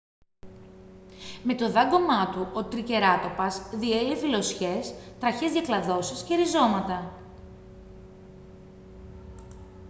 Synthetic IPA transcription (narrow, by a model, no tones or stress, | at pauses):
me̞t̪o̞ðɐɡo̞mɐt̪uʔot̪ɾice̞ɾɐt̪o̞pɐzðie̞lefilo̞sçe̞st̪ɾɐçe̞zðʝɐklɐðo̞sisce̞ɾizo̞mɐt̪ɐ